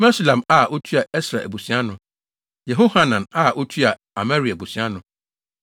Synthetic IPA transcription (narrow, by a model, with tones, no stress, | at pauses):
mɛ˦slã˨ma˦˨ʔo˦tʰu˦a˨ɛ˦sɾa˨ḛ˨bu˨si˦a˦nʊ̃˨ | jɛ˨ɦo˦ha˨nã˨na˦ʔo˦tʰu˦a˨ | a˨mɛ˦ɾi˨a˨bu˨sĩ˨˦a˦nʊ̃˨